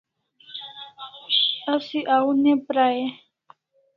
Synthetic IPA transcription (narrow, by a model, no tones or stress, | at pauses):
asiʔaunɛpɾajɛ